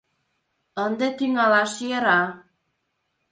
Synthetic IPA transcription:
ɤnd̪ɤt̪iŋɑlˠɑʃjɤɾɑ

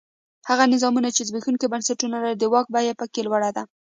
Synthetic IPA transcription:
haɣanɪzɑmunat͡ʃezbixuŋkibansaʈunalaɾid̪əwɑk̚bajepəkelwaɽad̪a

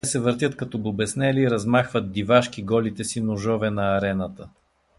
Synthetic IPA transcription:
sɛvəɾt̪ʲət̪kɐt̪ɔbobɛsnɛliːɾɐzmaxvət̪̚d̪ivaʃkiɡɔlit̪ɛsinʊʒɔvɛnɐːɾɛnət̪ə

